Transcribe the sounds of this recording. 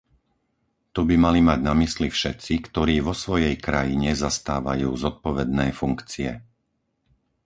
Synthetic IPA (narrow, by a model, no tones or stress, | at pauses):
t̪ubimalimaɟnamislifʃɛt̪t͡sikt̪ɔɾiːʋɔsʋɔjɛjkɾajiɲɛzast̪aːʋa̰juːzɔt̪̚pɔʋɛd̪nɛːfuŋkt͡siɛ